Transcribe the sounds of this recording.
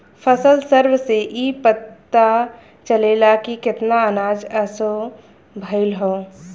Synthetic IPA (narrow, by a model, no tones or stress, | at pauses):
pʰəsəlsəɾʋseʔipət̪ːa | t͡ʃəlelakikɪt̪naənaːd͡ʒəso | bʱəɪlɦoː